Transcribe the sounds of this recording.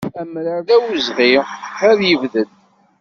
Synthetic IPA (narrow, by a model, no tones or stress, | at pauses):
æmɾəɾðæwəzʁiæðjəvðən